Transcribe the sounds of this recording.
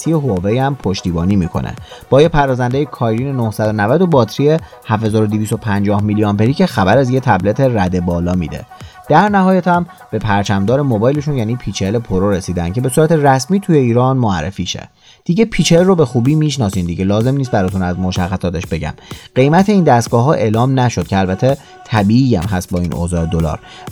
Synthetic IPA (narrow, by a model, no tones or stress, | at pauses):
sʰijeɦovejæmpʰo̞ʃt̪iːbɒːniːmiːkʰo̞̰nʔḛb̥ɒːjepʰæɾɒːzænd̪ejekʰɒːjɾiːnenohsæd̪onævæd̪o̞bɒːt̪ʰɾije | hæfhe̞zɒːɾod̪iviːs̬t̪opʰænd͡ʒɒːhmilijɒmpe̞ɾiːcexæbæɾæzjet̪ʰæblet̪ʰeræd̪e̞bɒːlɒːmḭːd̪e̞̰ | d̪̥æɾnæhɒːjæt̪ʰæm | b̥e̞pʰæɾt͡ʃʰæmd̪ɒːɾe̞mobɒːjleʃunjæːniːpʰiːt͡ʃʰele̞pʰoɾoɾe̞siːd̪æncʰe̞be̞suːɾæt̪ʰe̞ræsmiːt̪ʰujeiːɾɒːnmoæ̰ɾːḛfiːʃḛ | d̪̥iɟepʰit͡ʃʰelrobe̞xuːbiːmiʃnɒːsiːnd̪iɟelɒːze̞mnis̬t̪bæɾɒːt̪ʰunæzmoʃæxːæsɒːt̪ʰe̞ʃbe̞ɟæ̰mɢe̞jmæt̪ʰe̞iːnd̪æst̪ɡ̥ɒːɦɒːʔe̞ːlɒːmnæʃo̞d̪̥̚cʰeælbæt̪ʰe̞ | t̪ʰæbiːijæmɦæst̪̚bɒːḭːnʔo̰zɒːed̪o̞lɒ̰ːɾ